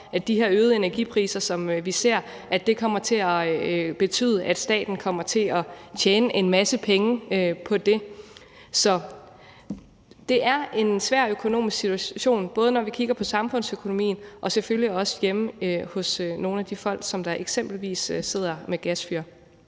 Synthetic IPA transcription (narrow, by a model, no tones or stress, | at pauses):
ædd̥iɦeɐøːð̩ˠe̝næɐɡ̥ḭpʰʁḭːsɐsɒ̽mʋise̝ɐ̰ | ʔæd̥e̝kʰɒ̽m̰ɐt͡sʰe̝æb̥e̝t͡sʰy̰ːð̞ˠʔæd̥sd̥ɛ̰ːd̥n̩kʰɒ̽m̰ɐt͡sʰe̝lɒt͡ɕʰeːnəʔe̝nmæsəpʰeŋəøpʰɒ̽d̥e̝ | sɒ̽ | d̥e̝ʔæɐe̝nsʋæɐ̰økʰo̝no̝̰ːmisɡ̥sit͡sʰuæɕo̝̰ːnb̥ɔ̽ːð̞ˠənɒʋikʰiɡ̥ɐpʰɒ̽sɑ̈mfɔ̽n̰søkʰo̝no̝mḭːn̩ʔɒ̽sefølliɒ̽sjemhɔ̽søno̝ːn̩æd̥ifɒ̽l̰ɡ̥sɒ̽md̥ɑ̈ʔe̝ɡ̥sem̰b̥l̩ʋḭːsːe̝ð̞̰ˠɐmeɡ̥æsfyɐ